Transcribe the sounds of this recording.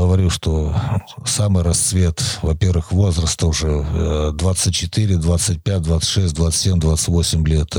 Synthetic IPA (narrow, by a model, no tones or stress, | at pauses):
ɡəvɐɾʲuʂt̪o̞ | samɨjɾɐst̪svʲe̞t̪vɐpʲe̞rvɨxvo̞zrəst̪əʊʐɛd̪vat̪sɨtʲt͡ɕːɪt̪iɾʲɪd̪vat̪sɨt̚ʲpʲæt̚ʲd̪vat̪sə̥tʲʂɛsʲt̚ʲd̪vat̪sɨ̥sʲemʲd̪vat̪səɨtʲvosʲɪmʲlʲe̞t̪